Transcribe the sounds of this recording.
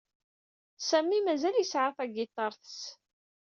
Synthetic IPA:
sæmːimæzæljəsʕaθæɡit̪ˤːɑɾˤθə̥s

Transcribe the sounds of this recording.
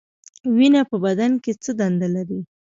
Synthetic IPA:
winapəbad̪anket͡səd̪and̪alaɾi

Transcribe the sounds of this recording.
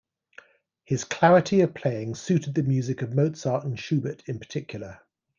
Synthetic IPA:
hɪz̥kʰl̥aɹɪtʰiəv̥pʰl̥eɪɪ̃ŋsʉˑtɪd̪̚ðəmjʉːzɪkəvməʊtsɑˑʔə̃n̩ʃʉːbətʰɪ̃npə̥tʰɪkʰjl̩ˠə

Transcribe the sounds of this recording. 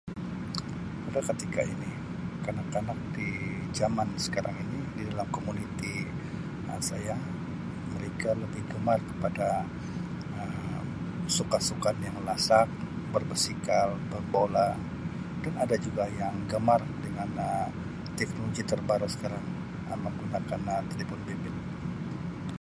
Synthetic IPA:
padakət̪ika̰ḭni | kanakanak̚di | d͡ʒamansə̥kaɾʔa̰ŋinididalamkomunit̪i | ə̰sajaŋ | məɾekaləbɪhɡəmarkə̥pada | əm | sukasukanjaŋlasak̚ | bərbərsikalbərbola | d̥anadad͡ʒuɡajaŋɡəmar | dəŋanə | t̪ɛknoloɡit̪ərbaɾusə̥kaɾaŋ | ə̰məŋɡunakanət̪libʊnbimɪn

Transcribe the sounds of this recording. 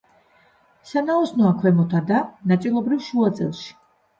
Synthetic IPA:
sanaɔsnɔakʰwɛmɔt̪ʰad̪anat̪sʼilˠɔbɾivʃuat̪sʼɛ̰lˠʃi̥

